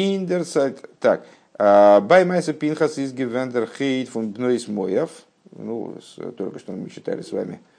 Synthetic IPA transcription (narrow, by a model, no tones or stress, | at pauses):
ɪndɛɾt͡saɪtta̰k | abajmaɪsɐpinχɐsɪsɡɪvɛndɛɾχeɪtfʊnbnoɪsmojɐf | nṵst̪uɾkəʃtommiʃɪt̪ʰa̰ɾɪsva̰ːmɪ̰